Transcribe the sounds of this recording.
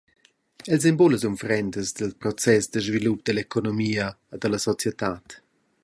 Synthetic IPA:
ɛlz̬ɛmboləzunfɾɛnd̪əzd̪əlpɾɔt͡sɛsd̪əʒvilup̚d̪əlekonomiːəː | d̪əlɐsɔt͡sjət̪aːt̪

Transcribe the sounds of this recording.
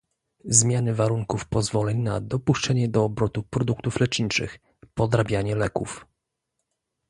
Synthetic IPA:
zmʲjanɘvaɾuŋkufpɔzvɔlɛɲnad̪ɔpuʂt͡ʂɛɲɛd̪ɔːbɾɔt̪upɾɔd̪ukt̪uflɛt͡ʂɲit͡ʂɘ̰x | pɔd̪ɾabʲjaɲɛlɛkuf

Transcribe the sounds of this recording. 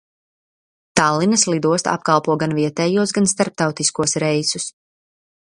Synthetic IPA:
t̪alˠːinɐslˠid̪uɔst̪a̰p̚kalˠpuɔɡanviɛt̪ɛːjuɔsɡanst̪aɾp̚t̪awt̪iskuɔsɾɛjsus

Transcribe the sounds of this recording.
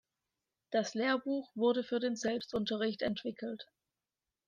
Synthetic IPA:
d̥asleːɐbuːxv̥ʊɐdəfyːɐdeːnzɛlpstʔʊntɐʁɪçtɛntv̥ɪkʰl̩t

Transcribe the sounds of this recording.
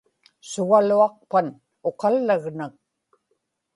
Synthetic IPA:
sʊɣaluɑq̚pan | o̞qɑlːaɣnak̚

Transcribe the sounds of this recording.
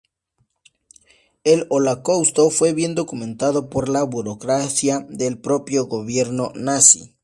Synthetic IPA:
elolokawst̪o̞fwe̞βje̞nd̪o̞kumẽ̞nt̪aðo̞po̞ɾlaβuɾokɾaθjaðe̞lpɾo̞pjo̞ɣoβje̞ɾno̞nasḭ

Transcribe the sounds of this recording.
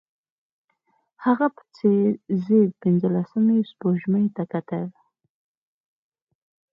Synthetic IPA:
haɣapə̥t͡sezed̪pɪnd͡zəlasəmispoʒmat̪akat̪əl

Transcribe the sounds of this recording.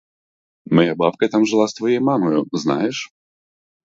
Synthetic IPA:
mɐjabapkɐt̪amʐɨlˠast̪vɐjejmamɔjʊzna̰jɛʂ

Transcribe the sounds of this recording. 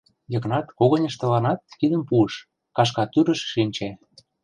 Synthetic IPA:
jɤ̆knɑt̪koɣɤ̆nʲə̆ʃt̪ə̆lɑnɑt̪̚kid̪ə̆mpuəʃ | kɑʃ̬kɑt̪yɾə̆ʃːinʲt͡ɕæ

